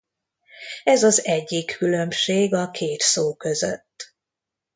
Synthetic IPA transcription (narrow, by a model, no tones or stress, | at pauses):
ɛzɒzɛɟːikʰːylø̞mʃeːɡɒkʰeːt̪soːkø̞zø̰t̪ː